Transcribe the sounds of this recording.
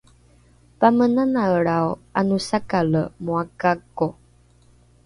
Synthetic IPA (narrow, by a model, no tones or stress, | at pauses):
pamənanaəɭawanusakaləmuakako